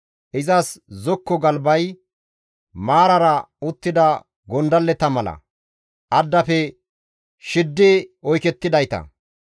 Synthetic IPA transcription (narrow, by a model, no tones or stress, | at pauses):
ʔɪzɐszɔkːɔɡɐlbɐj | maːɾɐɾɐʊt̪ːɪd̪ɐ | ɡɔnd̪ɐlːɛt̪ɐmɐlɐ̰ | ʔɐd̪ːɐfɛ | ʃɪd̪ːɛɔjkɛt̪ːɪd̪ɐjt̪ɐ̰